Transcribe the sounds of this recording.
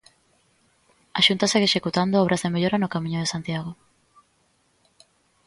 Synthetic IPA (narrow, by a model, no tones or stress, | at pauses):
a̰ʃunt̪aseɣeʃekut̪and̪oɔβɾʔazðemeʎoɾanokamĩɲoʊð̞esant̪jaɣ̞o